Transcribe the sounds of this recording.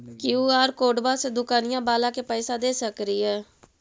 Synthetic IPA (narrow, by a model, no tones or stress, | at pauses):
kɪuːaːɾkoːɖbaːsed̪ʊkaːnɪjãːbaːlãːkeːpɛːsaːd̪eːsəkɾiːɦɛː